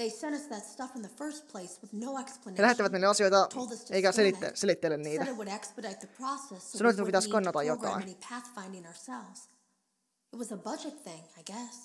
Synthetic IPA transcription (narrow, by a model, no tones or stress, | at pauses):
ðeɪsɛ̃ɾ̃ʌsðɨtstʌfn̩ðɨfɜ˞spʰl̥eɪswəðnoʊɛksplənelæhet̪ːiʋæt̪niːlɑsijojt̪ɑtʰoʊlˠd̪ʌstʰeikæselit̪ːḛselit̪ːelːenniːt̪æɾɨt̚wɨɾɛkspɨɾaɪt̪̚ðɨpʰɹ̥ɔsɛssɑnot̪t̪ːkupit̪æskɑnːɑt̪ɑjjokkɑ̰innipʰæθfãɪ̃ndɪ̃ŋəə˞sɛlˠvz̥ | ɨt̚wʌzəbʌd͡ʒɨt̪̚θɪ̃ŋaɪɡɛs